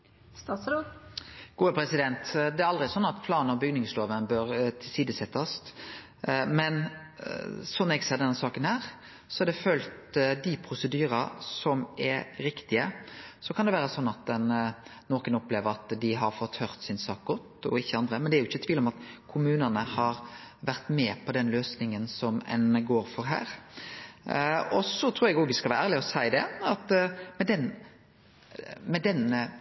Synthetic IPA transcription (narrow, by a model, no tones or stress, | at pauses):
st̪ɑslo | ɡ̥uːəpʰɾɛsɪd̪ɛnt̪d̪ɛæɾɑld̪ʁɪɛsɔnːɑt̪pʰlɑːnnɔbʏɡnɪŋsloːʋənbœɾt̪ʰɪlsiːd̪əsɛt̪ʰːɑst̪ | mɛn | sɔnɛɡsɛːd̪ɛnːsɑːkənhæːɾ | sɔɛɾd̪ɛfœlt̪d̪ɪpʰɾʊsəd̪yːɾɑsɔmɛɾɪkt̪ɪəsɔkʰɑnd̪ɛʋæːɾəsɔnːɑt̪̚d̪ɛnnɔɾkənɔpleːʋəɾɑt̪d̪ɪɦɑɾfɔt̪hœʁt̪sɪnsɑːk̚ɡɔt̪ːɔ̰ɪçːəɑnd̪ɾəmɛnd̪ɛæɾjʊɪçːət̪ʰʋiːlɔmɑt̪kʰʊmʉːnənəhɑɾʋæɾt̪mɛːpʰɔd̪ɛnløːsnɪŋənsɔmɛ̰nɡoːɾfɔɾɦæ̰ːɾ | ɔsɔt̪ʰɾuːɾɛɡoːɡʋɪskɑlʋæːəæːʁlɪəɔsæɪd̪ɛɑt̪mɛd̪ɛn | mɛd̪ɛn